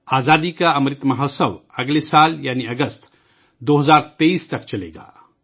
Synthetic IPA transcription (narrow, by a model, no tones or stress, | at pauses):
aːzad̪ikaəmɾit̪məɦəsəwəɡlesaljaniəɡəst̪ | d̪oɦəzaɾt̪eist̪ɐkt͡ʃɐlḛɡa̰